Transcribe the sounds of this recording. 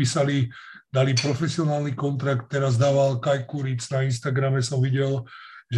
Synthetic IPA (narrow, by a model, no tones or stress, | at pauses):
iːsali | d̪alipɾɔfɛsiɔnaːlnikɔnt̪ɾakt̪ːɛɾazd̪aːʋalkajkuɾit͡snainʃt̪aɡɾamɛsɔmʋiɟɛl | ʒ